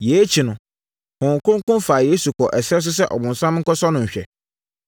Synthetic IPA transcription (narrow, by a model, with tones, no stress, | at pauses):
je˨˦t͡ɕʰi˨nʊ̃˨ | hʊ̃˨ŋ˨kʊ̃˦ŋ˦kʊ̃˦nfa˨jeː˦su˨kʰɔ˨ʔɛ˨sɪ˦ɾɛ˦s̬ʊ˦s̬ɛ˦ʔɔ̰˨bʊ̃˨n˨sã˦m˦ŋ̩˦kɔ˦sɔ˦nʊ̃˨ɲ̩˨ɕᶣɛ̰˨